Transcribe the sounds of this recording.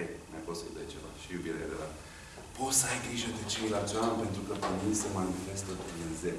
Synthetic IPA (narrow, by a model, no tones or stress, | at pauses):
emaposəjṵd̪ejt͡ʃeva̰ʃijubiɾea̰d̪evat̪ | pot̪səajɡɾiʒəd̪et͡ʃejlat͡ʃanpe̞nt̪ɾukəpemisəmanifest̪ət̪inze